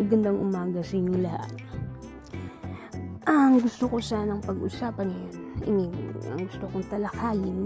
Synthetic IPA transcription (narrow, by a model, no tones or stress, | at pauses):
ɐɡɐnd̪aŋʔʊmaːɡɐsɐɪɲʊŋlɐha̰t̪̚ | ʔɐŋɡʊst̪okosanɐŋpɐɡʔʊ̰saːpɐnjonʔɪ̰mɪɐ̰ŋɡʊst̪okoŋt̪ɐlɐkaːjɪn